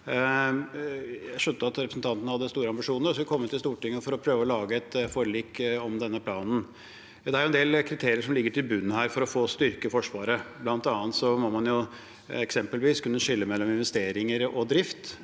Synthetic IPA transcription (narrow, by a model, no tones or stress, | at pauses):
jæɪʂœnt̪əɑt̪ɾɛpɾəsn̩t̪ʰɑnt̪nəhɑd̪ːəst̪uːɾəɑmbɪʂuːnəɾɔskʰɔmːət̪ʰːɪlst̪uːʈɪŋːəfɔɾɔpʰɾøːʋəɔlɑːɡəɛt̪fɔɾəɭiːkɔmd̪ɛnːəpʰlɑːnn̩ | d̪ɛæɾjʊɛnd̪eːlkʰɾɪt̪ʰeːɾɪəʂɔmlɪɡːəʈʰɪlbʉnːhæːɾfɔɾɔfoːst̪ʏɾkəfɔʂʋɑːɾəblɑnt̪ɑːənt̪sɔmɔmɑnjʊ | ɛksɛmpəlʋiːskʉnːəʂɪlːəmɛlːɔmɪnʋɛst̪eːɾɪŋəɾɔd̪ɾɪft̪